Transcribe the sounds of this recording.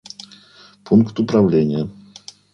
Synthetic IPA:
pʰuŋkt̪upɾavlʲɛɲa

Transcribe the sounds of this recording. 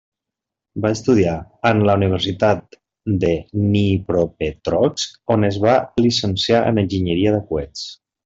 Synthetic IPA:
baəst̪uð̞iaənləuniβ̞əɾsit̪at̪̚ | d̪ənipɾopet̪ɾɔksonəzβalisənsjaʔə̰nənʲʒiɲəɾiəðəkuɛt͡s

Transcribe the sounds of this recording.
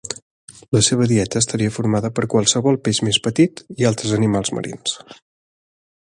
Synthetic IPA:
ləseβ̞əðiɛt̪əːst̪əɾiəfuɾmaðəpəɾkwəlˠsəβɔlˠpeʃmespət̪it̪ialˠt̪ɾəzənimalˠzmə̰ɾʔḭns

